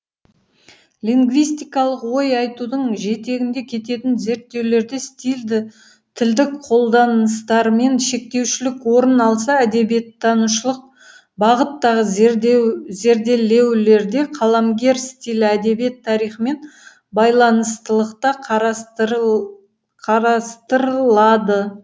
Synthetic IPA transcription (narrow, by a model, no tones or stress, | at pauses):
lʲiŋɡvijst̪ijkɑlˠəqwo̞jɑjt̪ud̪əɴʒe̞t̪e̞ɡʲɪnd̪ekʲʰe̞t̪e̞t̪ɪnze̞ɾt̪ːe̞wle̞ɾd̪est̪ild̪ɪ | t̪ʰɪld̪ɪkqʰo̞lˠd̪ɑnəst̪ɑɾme̞nʃe̞k̚t̪e̞wʃɪlɪkwo̞ɾənɑlˠs̬ɑæd̪e̞bijet̪ːɑnuʃəlˠəq̚ | bɑʁət̪ːɑʁə | ze̞ɾd̪e̞le̞wle̞ɾd̪e̞qʰɑlˠɑmɡʲe̞ɾst̪ijlɪæd̪e̞bijet̪ʰːɑɾijχəme̞n | bɑjlˠɑnəst̪əlˠəqt̪ɑq | qʰɑɾɑst̪əɾəlˠɑd̪ə